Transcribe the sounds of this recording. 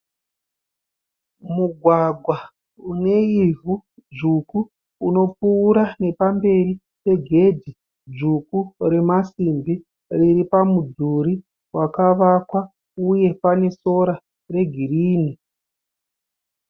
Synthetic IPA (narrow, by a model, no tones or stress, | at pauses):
muɡʱwaɡʱwa | une̞ivʱud͡ʒukuː | no̞puːɾane̞pambe̞ri | pe̞ɡʱe̞dʱi | d͡ʒukuɾe̞masimbi | riripamud͡zuɾi | wakaʋakwa | uje̞pane̞so̞ɾa | re̞ɡʱiriːni